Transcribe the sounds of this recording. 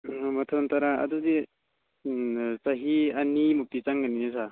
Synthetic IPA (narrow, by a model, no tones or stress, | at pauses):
matʰɔnt̪aɾaɐ̰dudi | saɦiɐnimuk̚tit͡ʃaŋɡaninesa